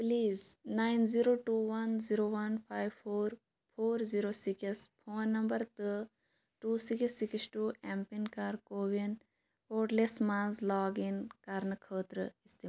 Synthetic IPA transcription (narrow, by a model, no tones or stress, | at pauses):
pliːznaːɪnziɾoːʈuːʋɐnziɾoːʋɐnpʰaːjʋpʰoːɾ | pʰoːɾziɾoːsikspʰoːnːɐmbɐɾt̪ə | ʈuːsiksːiksʈuːʔɛmpinkaːɾkoːʋin | poːʈlesmãːzlɔːɡinkɐɾnɨkʰəːt̪ɾɨ̰ɪst̪i